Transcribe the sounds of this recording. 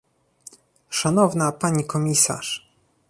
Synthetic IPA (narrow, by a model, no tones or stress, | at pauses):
ʂanɔvnapaɲikɔmʲisa̰ʂ